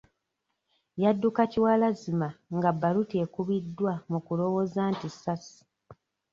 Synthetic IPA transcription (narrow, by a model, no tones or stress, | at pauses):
jadːukaciwaːlazimaŋɡabːalutie̞ːkuβidːwamukulo̞wo̞zaːntisasi̥